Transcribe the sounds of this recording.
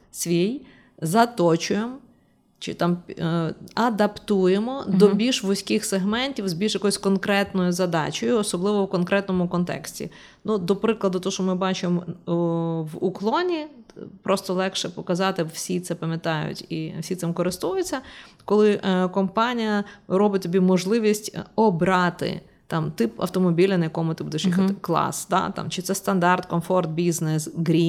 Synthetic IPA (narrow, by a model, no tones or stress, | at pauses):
sʲʋʲij | zɐt̪ɔt͡ʃʊjem | t͡ʃɪ̰t̪ɑm | ɐd̪ɐpt̪ujemɔd̪ɔbʲilʲʃʋʊsʲkɪxseɦmɛnʲtʲiwzbʲilʲʃjɐkɔjʊsʲkɔnkɾɛt̪nɔjʊzɐd̪ɑ̰t͡ʃɔjʊɔsɔblˠɪʋɔwkɔnkɾɛt̪nɔmʊkɔnt̪ɛ̰ksʲtʲḭ | nud̪ɔpɾɪklˠɐd̪ʊt̪ɔɔʃɔmɪbɑt͡ʃɪm | ʋuklˠɔnʲipɾɔst̪ɔlˠɛkʃɛpɔkɐzɑt̪ɪwsʲit̪sɛpɐmʲjɐt̪ɑjʊ̰tʲifsʲit̪sɪmkɔɾɪst̪ujʊt͡sʲːɐkɔlˠɪʔkɔmpɑnʲijɐɾɔbɪt̚ʲt̪ɔbʲimɔʒlˠɪʋʲisʲtʲɔbɾɑt̪ɪ̰ | t̪ɑmt̪ɪpɐ̰wt̪ɔmɔbʲilʲɐnɐjɐkɔmʊt̪ɪbud̪ɛʃjɐkklˠɑ̰sd̪ɑ̰t̪ɑ̰mt͡ʃɪt̪sɛst̪ɐnd̪ɑrt̪kɔnfɔrt̪̚bʲiznɛsɡɾʲi